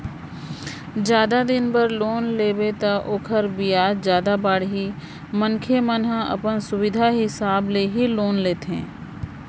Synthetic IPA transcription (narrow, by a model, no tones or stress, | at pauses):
d͡ʒjaːd̪ad̪ɪnbəɾloːnleːbet̪aʔoːkʰəɾbijaːd͡ʒjaːd̪abaːɽɦi | mənkʰemənɦəɐ̰pənsʊwɪd̪ʱaɦɪsaːbleɦiloːnleːt̪ɦɛ̰̃ː